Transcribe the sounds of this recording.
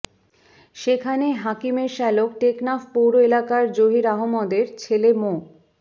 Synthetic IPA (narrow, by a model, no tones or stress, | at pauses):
ʃekʰaneɦakimeɾʃɛlok̚ʈeknafpowɾoelakaɾd͡ʑoɦiɾaɦomɔd̪eɾt͡ɕʰelemo